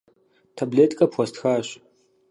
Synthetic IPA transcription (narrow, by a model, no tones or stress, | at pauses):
tʰɐbleːtʼkʼɐpxʷɔstxaːɕ